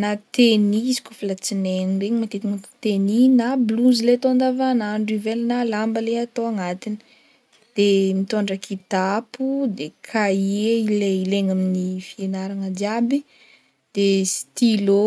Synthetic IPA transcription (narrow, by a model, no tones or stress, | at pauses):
nat̪eniizi̥kʲufilat͡sinenireɲimat̪et̪inakt̪eninabluzileat̪oand̪avanaɳɖ͡ʐivelnalambəleat̪oaŋat̪inə̥ | d̪̥emit̪oɳɖ͡ʐəkʰid̪apud̪ekʰaieileileŋaminifienaɾaŋəd̪jabi | d̪̥est̪ilo